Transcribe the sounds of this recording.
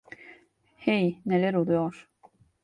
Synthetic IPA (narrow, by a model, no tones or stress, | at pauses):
hejnelʲæɾolˠujoɾ̥